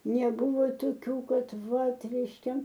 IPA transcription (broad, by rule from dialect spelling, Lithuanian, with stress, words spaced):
nʲɛˈbʊʋoː toːˈkʲuː ˈkɐt ˈʋɐt rʲɛɪʃʲˈkʲɛ